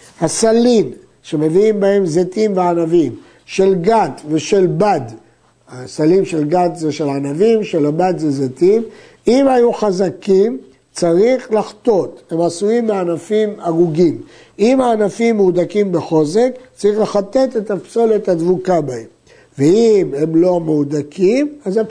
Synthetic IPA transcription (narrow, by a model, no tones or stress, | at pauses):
hasalim | ʃe̞me̞viimbahe̞mzet̪imveanavim | ʃe̞lɡatveʃe̞lbad̪ | asalimʃe̞lɡat̪zeʃelanavimʃe̞labad̪zezet̪im | imhajuχazakim | t͡saʁiχlaχt̪o̞t̪he̞masuimːeanafimaʁuɡim | imhaːnafimːud̪akimbeχo̞ze̞kt͡saʁiχle̞χat̪e̞t̪e̞t̪apso̞let̪had̪vukabaem | veime̞mlo̞meud̪akʰimaza